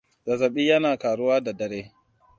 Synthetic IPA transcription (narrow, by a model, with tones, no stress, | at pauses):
d̥a˨zɐ˨ɓiː˦jɐ˦naː˨kaː˨ɽʊ˦waː˦da˨dɐ˨ɾeː˦